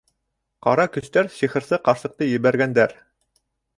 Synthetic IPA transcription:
qɑɾɑkɵ̆st̪æɾɕiχɤ̆ɾsɤqɑɾsɤ̆q̚t̪ɤjɘ̆βæɾɡænd̪æɾ

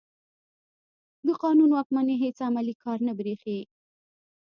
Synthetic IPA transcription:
d̪əqɑnunwɑk̚maneɦet͡samalikʰɑɾnabɾexe

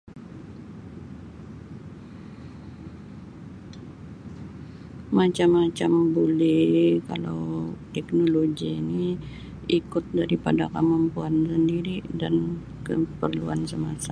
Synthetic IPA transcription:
mat͡ʃamːat͡ʃambolɛhkala̰wt̪ɛknoloɡini | ikʊt̪̚daɾipada̰kamampuansəndiɾidan | kəpərluansəmasa

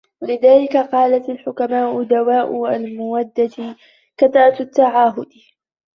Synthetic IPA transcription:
walɪðaːlɪkaqɑːlat̪alħʊkamaːʔʊd̪awaːʔʊalmʊwad̪ːat̪ | kat̪aʔat̪t̪ːaʕaːɦʊd̪

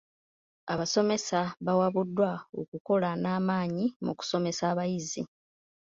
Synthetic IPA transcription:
aβaso̞me̞saβawaβudːwaokuko̞lanaːmaːɲimṵku̥so̞me̞saːβajizi

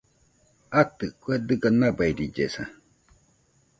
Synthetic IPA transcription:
at̪ɯkued̪ɨɡanabaiɾid͡ʒḛsa̰

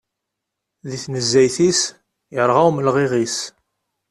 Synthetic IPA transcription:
ðiθnəzːæjθis | jəɾˤʁawməlʁiʁis

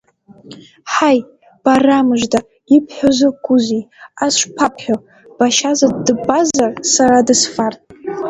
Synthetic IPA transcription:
ħaj | b̥aramɨʒda | ɪpʰħʷᶣozɨkʷʼuziasʷpʰapʰħʷᶣo | b̥aʃazadɨbazarsaɾadɨsfartʼ

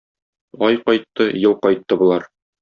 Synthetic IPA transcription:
ɒjqɒjt̪ːɤjɤlˠqɒjt̪ːɤbŭlˠɑɾ

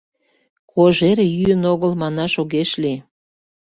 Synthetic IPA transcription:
kʰoʒeɾejyənoɣəlmɑnɑʃoɣeʃli

